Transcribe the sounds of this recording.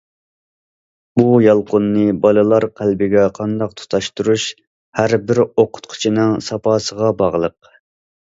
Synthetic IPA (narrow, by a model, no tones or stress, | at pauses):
bujɑlˠqʊnːɨbɑlˠɨlˠɑɾqʰælbɪɡʲɛqʰɑnd̪ɑq̚t̪ʰu̥t̪ʰɑʃt̪uɾuʃ | hæɾbɪɾoqʰʊ̥t̪̚qʰʊ̥t͡ʃʰinɨŋsɑpʰɑːsəʁɑbɑʁlˠəq̚